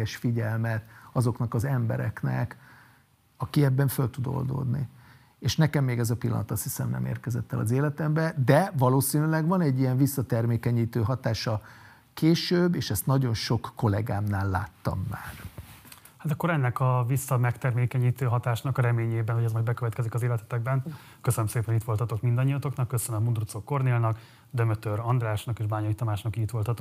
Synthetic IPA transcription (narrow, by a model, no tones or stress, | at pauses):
ɛʃfiɟɛlmɛt̪ɒzo̞knɒkɒzɛmbɛ̰ɾɛ̰knɛ̰k | ɒkiɛbːɛɱfølt̪ud̪o̰ld̪o̰ːd̪nḭ | eːʃnɛkɛmːeːɡɛzɒpilːɒ̰nɒt̪ɒst̪hisɛmnɛ̰mḛːrkɛzɛt̪ːɛ̰lɒ̰zeːlɛt̪ɛmbɛd̪ɛvɒloːsiːnylɛɡvɒnɛɟːijɛɱvisːɒt̪ɛrmeːkɛɲiːt̪øːɦɒt̪aːʃɒ | keːʃøːbːeːʃɛst̪nɒɟo̞nʃo̞kːo̞lɛ̰ɡaːmnaːlːa̰ːt̪ːɒ̰mːa̰ːr | hat̪ɒkːo̞ɾɛnːɛkɒvisːɒmɛkt̪ɛrmeːkɛɲiːt̪øːɦɒt̪aːʃnɒkɾɛmeːɲeːbɛnhoɟɛzmɒjd̪̚bɛkøvɛt̪kɛzikɒzeːlɛt̪ɛ̥t̪ɛɡ̚bɛn | køsønømseːpɛnit̪ʋo̞lt̪ɒt̪o̞kmind̪ɒɲːijɒt̪o̞knɒkːøsønømːund̪rut̪sokːo̞rneːlnɒk | d̪ømøt̪øɾɒnd̪raːʃnɒkeːʒbaːɲɒit̪ɒmaːʃnɒkiit̪ʋo̞lt̪ɒt̪o